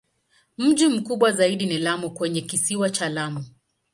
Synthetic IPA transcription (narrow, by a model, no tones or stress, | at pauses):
m̩ʄim̩kuɓwazaiɗinilamukwɛɲɛkisiwat͡ʃalamu